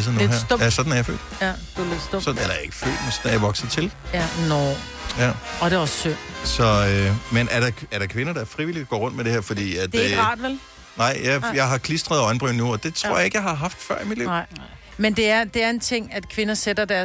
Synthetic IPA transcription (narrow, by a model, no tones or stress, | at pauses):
snhæɐ̥jæsɒd̥n̩æɐjɑfø̰l̰d̥d̥sɒ̽dn̩elɐe̝ɡ̥əfø̰ːld̥mensɒd̥næjaʋɒɡ̥sðˠt͡sʰe̝lnɔ | jæɒ̽d̥e̝ɒssøsɒ̽menʔæɐɾ̥ɑæɐɾ̥ɑ̈kʰʋe̝nɐɾ̥ɑfʁiʋili̥ɡ̥ɒ̰ːʁɔ̽n̰d̥̚med̥e̝heɐ̰fɒ̽d̥ḭːæd̥ɑ̰ːd̥ʋel | nɑ̈ɪ̰jɑɪjɑ̈ɪɦɑ̈kʰlisd̥ʁɐðˠɒ̽ɪnb̥ʁy̰nuɒ̽d̥e̝t͡sʰʁo̰ɐ̰jɑ̈e̝ɡ̥jɑ̈ɪɦɑ̈ɦɑ̈fd̥fɶɐ̰ʔimid̥lḭʊ̰ | mend̥e̝æɐd̥e̝æɐe̝nt͡sʰe̝ŋ̰æd̥kʰʋe̝nɐsed̥ɐd̥æɐ